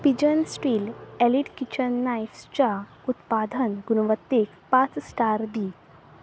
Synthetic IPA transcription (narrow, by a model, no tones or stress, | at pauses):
pid͡ʑənsʈilɛliʈkit͡ɕənːajfst͡ɕa | ut̪pad̪ʱənɡunəʋət̪ːekpat͡ssʈaɾbi